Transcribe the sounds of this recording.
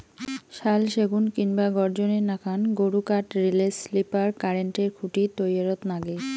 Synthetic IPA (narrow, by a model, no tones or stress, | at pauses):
ʃalʃeɡunkinbaɡɔɾd͡ʑonenakʰanɡoɽukaʈɾileslipaɾkaɾeɳʈeɾkʰuʈit̪ojaɾot̪naɡe